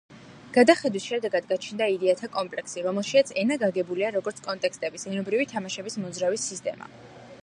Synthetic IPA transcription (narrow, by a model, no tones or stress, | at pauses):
ɡ̥ad̪aχɛd̪wisʃɛd̪ɛɡad̪ɡat͡ʃʰnd̪aid̪ɛat̪ʰakʼɔmpʼlɛksiɾɔmɛlˠʃiat̪sʰɛnaɡaɡɛbuliaɾɔɡɔɾt̪sʰkʼɔnt̪ʼɛkʰst̪ʼɛbisɛnɔbɾivit̪ʰamaʃɛbismɔd̪zɾavisːist̪ʼɛma̰